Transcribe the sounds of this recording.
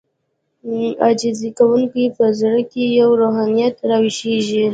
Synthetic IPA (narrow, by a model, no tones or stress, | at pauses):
ɑd͡ʒizikawuŋkipəzɽəkejawɾoɦɑnijat̪ɾɑwɪʃeʒi